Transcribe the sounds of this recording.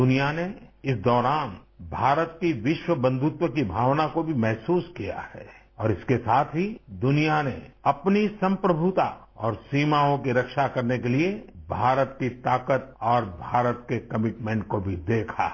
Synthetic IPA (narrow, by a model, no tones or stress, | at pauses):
ʊnijaneɪsd̪ɔːɾaːnbʱaːɾət̪kiʋɪʃwəbə̃nd̪ʱʊt̪wəkibʱaːʋnakobʱimɛɦsuːskija̰hɛ̰ː | ɔːɾɪskesaːt̪ʰɦid̪ʊnijaneɐpnisɐ̃mpɾəbʱut̪aɔ̰ːɾsiːmaõkiɾɐkʃakɐɾnekeliebʱaːɾət̪̚kit̪aːkət̪̚ɔːɾbʱaːɾət̪kekɐmɪʈmɛ̃ɳʈkobʱid̪eːkʰa̰ː